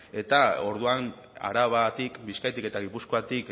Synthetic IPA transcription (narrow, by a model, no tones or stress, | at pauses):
e̞t̪ao̞ɾðuam | a̰ɾaβat̪ikbiskajt̪ike̞t̪aɣipuskoat̪ik